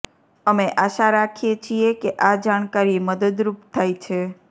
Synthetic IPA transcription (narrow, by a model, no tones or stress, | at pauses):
əmeʔaʃaɾakʰijet͡ʃʰiekeʔad͡ʒaɳ̃kaɾiməd̪əd̪ɾupt̪ʰajt͡ʃʰe